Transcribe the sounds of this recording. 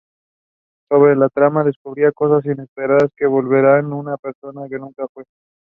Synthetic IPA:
so̞βɾe̞lat̪ɾamaðe̞skuβɾiako̞s̬as̬ine̞spe̞ɾaðaske̞βo̞lβe̞ɾanunape̞ɾso̞nake̞nũŋkafwe̞

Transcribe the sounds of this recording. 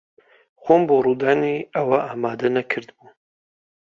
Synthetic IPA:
xomboruːd̪aːniɐwɐʔaːmaːd̪ɐnɐkʰɨɾd̪bu

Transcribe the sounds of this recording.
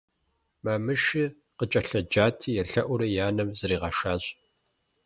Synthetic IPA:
mɐmɨʂi | qət͡ʃʼɐɬɐd͡ʒaːtʰiːjɛɬɐʔʷʊɾɐjaːnɐmzɨɾiːʁɐʃaːɕʼ

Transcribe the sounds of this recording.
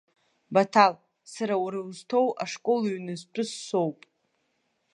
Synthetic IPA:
batʰal | saɾawɾaztʰowʔa̰ʂkʼo̞lɥnɨztʰʼʊsːo̞wpʼ

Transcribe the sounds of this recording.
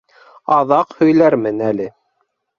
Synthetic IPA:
ɑðɑqhɵ̆jlæɾmɘnælɘ

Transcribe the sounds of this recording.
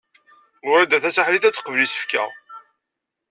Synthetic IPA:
ʊɾæd̪æθæsaħliθæt͡sːə̥qːəvəlisə̥fkæ̰ʁ

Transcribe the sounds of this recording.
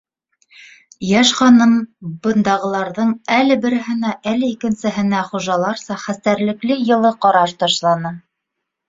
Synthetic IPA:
jæʃχɑnɤmbɤ̆nd̪ɑʁɤ̆lˠɑɾðɤɴælɘ̆bɘ̆ɾɘ̆ɦɘ̆næʔælɘikɘ̆nsɘ̆ɦɘ̆næχuʒɑlˠɑɾsɑχæst̪æɾlɘ̆klɘjɤ̆lˠɤqɑɾɑʃt̪ɑʃlˠɑnɤ

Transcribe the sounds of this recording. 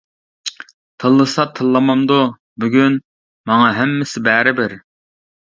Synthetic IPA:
t̪ʰɨlˠːɨsɑt̪ʰɨlˠːɑmɑmd̪u | byɡʲyn | mɑŋɑɦæmːɪsɪbæːɾɪbɪɾ

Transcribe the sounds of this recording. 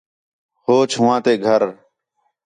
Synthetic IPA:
hoːt͡ʃʰʊʋãːt̪eːɡʱəɾ

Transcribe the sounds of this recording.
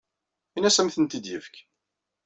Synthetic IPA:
inæsæmθənt̪id̪jəfk

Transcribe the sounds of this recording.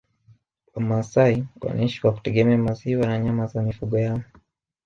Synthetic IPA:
amasaiwa̰naɲʃiwaku̥tɛɠɛmɛamaziwanaɲamazamifuɠɔjaɔ

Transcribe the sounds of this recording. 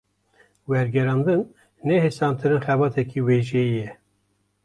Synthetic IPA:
wɛɾɡɛɾɑːnd̪ɨnː | ɛhesɑːnt̪ʰɨɾɨnxɛbɑːt̪ʰɛkʰiweːʒɛjijɛ

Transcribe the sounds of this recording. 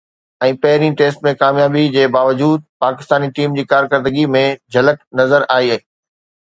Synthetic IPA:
ɛ̃ːpɐɦɪɾĩʈeːsʈmẽkaːmjaːbid͡ʑeːbaːʋəd͡ʑuːd̪̚paːkɪst̪aːniʈiːmd͡ʑiːkaːɾkəɾd̪əɡimẽd͡ʑʱɐləʈnɐzəɾaːiaɦiː

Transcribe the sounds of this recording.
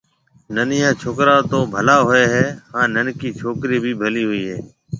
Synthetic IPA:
nənɪjãːt͡ʃʰoːkɾaːt̪oːbʱəlaːɦoːeːɦɛːhãːnənkiːt͡ʃʰoːkɾiːbʱiːbʱəliːɦʊiːɦɛ̰ː

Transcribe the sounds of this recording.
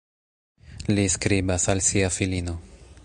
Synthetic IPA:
liskɾibasalsiafilino̞

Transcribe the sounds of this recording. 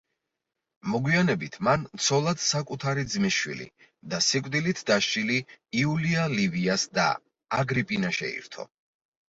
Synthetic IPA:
mɔɡwianɛbit̪ʰmant̪sʰɔlˠad̪̥sakʼut̪ʰaɾid̪zmiʃwḭlḭ | d̪asikʼd̪ilit̪ʰd̪aʃt͡ʃʼiliːulialiviasd̪a̰ | aɡɾipʼinaʃɛ̰ḭɾt̪ʰɔ̰

